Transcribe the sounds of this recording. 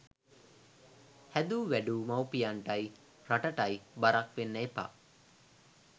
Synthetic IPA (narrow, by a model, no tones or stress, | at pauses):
hæd̪uːʋæɖuːmawpijaɳʈaj | raʈəʈajbaɾakʋenːəepa̰